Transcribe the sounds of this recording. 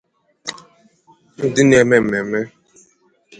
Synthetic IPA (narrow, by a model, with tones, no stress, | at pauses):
n̩˦dɪ˦ne˨me˨m̩˨e˨me˦